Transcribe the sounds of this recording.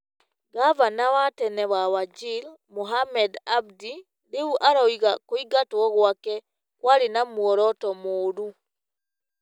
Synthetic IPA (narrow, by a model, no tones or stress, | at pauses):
ɡavanawatɛnɛβawad͡ʒil | moɦamɛdab̚di | ɾeuʔaɾaiɣakoiɡatoɔɣwakɛ | kwaɾenamwɔɾɔtɔmoɾu